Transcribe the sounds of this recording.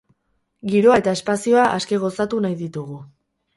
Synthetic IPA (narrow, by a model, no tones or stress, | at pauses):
ɡiɾo̞ae̞t̪ae̞spasio̞aʔaske̞ɣo̞sat̪unajðit̪uɣ̞u